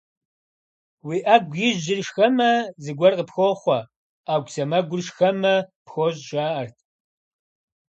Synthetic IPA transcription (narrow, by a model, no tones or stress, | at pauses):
wiːʔaːɡʷjɪʒːɪrʃxɐmɐzɨɡʷɐrqəpxʷoχʷɐ | aːɡʷsɐmɐɡʷʊrʃxɐmɐpxoʑʒaːɐrtʰ